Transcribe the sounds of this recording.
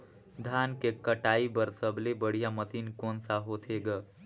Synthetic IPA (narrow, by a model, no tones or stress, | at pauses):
d̪ʱankekəʈaibəɾsəblebəɽ̤ijamət̪inkonsaɦot̪ʰeɡa